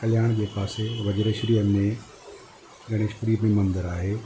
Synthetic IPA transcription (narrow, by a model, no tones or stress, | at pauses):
kɐljaːɽ̃d͡ʑeːpaːseʋɐd͡ʑəɾeʃɾiənmẽ | d͡ʑɐɽ̃eʃkɾiːmẽmɐ̃nd̪əɾaːɦeː